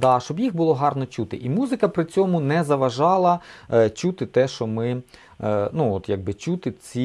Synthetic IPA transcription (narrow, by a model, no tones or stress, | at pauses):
d̪ɑʃt͡ʃɔbjixbʊlˠɔɦɑrnɔt͡ʃut̪ɪʔimuzɪkɐpɾɪt͡sʲɔmʊnɛzɐʋɐʒɑlˠɐt͡ʃut̪ɪt̪ɛʃt͡ʃɔmɪ | nuɔt̪jaɡ̚bɪt͡ʃut̪ɪt͡sʲi